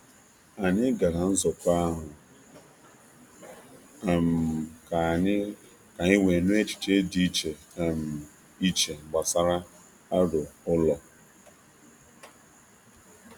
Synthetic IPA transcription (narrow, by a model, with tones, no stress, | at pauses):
a˨ɲɪ˦ɡa˨ɾa˨n̩˦zɔ˨kʷa˦ɦʊ˨ | m̩˨ka˨˦ | ka˨i˦we˨nu˦e˦t͡ʃi̥˨t͡ʃe˦di˦t͡ʃe˨ | m̩˨ | i˦t͡ʃe˨ɡ͡ba˨sa˦ɾa˦ | a˦dʊ˨ʊ˦lɔ˨